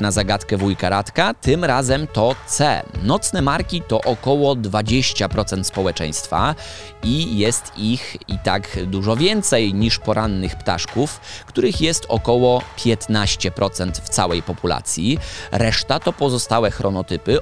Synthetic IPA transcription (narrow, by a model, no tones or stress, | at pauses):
nazaɡat̪kɛvujkaɾat̪kat̪ɘmɾazɛmt̪ɔt̪sɛ̰nɔt̪snɛmaɾkʲit̪ɔʔɔkɔwɔd̪vad͡ʑeɕt͡ɕapɾɔt̪sɛnt̪spɔwɛt͡ʂɛ̰j̃st̪fa̰ | ijɛst̪ixit̪akd̪uʐɔvʲjɛnt̪sɛjɲiʂpɔɾʔanːɘxpt̪a̰ʂkufkt̪uɾɘxjɛst̪ɔ̰kɔwɔpʲjɛt̪naɕt͡ɕɛpɾʔɔt̪sɛnt̪ft̪sa̰wɛjpɔpula̰t̪sʲjiɾɛʂt̪at̪ɔpɔzɔst̪awɛxɾɔnɔt̪ɘpɘ